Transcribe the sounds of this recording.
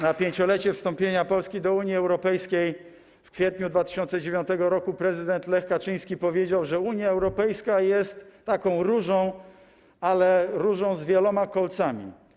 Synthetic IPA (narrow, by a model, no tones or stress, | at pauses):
napʲjeɲt͡ɕɔlɛt͡ɕɛfst̪ɔmpʲjeɲapɔlskʲid̪ɔuɲjiɛwɾɔpɛjskʲej | fkfʲjɛt̪ɲud̪vat̪ɘ̥ɕɔnt̪sɛd͡ʑevʲjɔ̃nt̪ɛɡɔɾɔkupɾɛzɘd̪ɛnt̪lɛxkat͡ʂɘj̃skʲipɔvʲjed͡ʑawʐɛuɲjaɛwɾɔpɛjskajɛst̪ːakɔ̃w̃ɾuʐɔ̃w̃ | alɛɾuʐɔ̃w̃zvʲjɛlɔmakɔlt̪samʲḭ